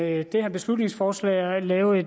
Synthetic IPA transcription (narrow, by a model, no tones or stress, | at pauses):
d̥e̝hæb̥e̝slud̥ne̝ŋsfɒːslɛ̰ːɪlɛːʊð̩ˠe̝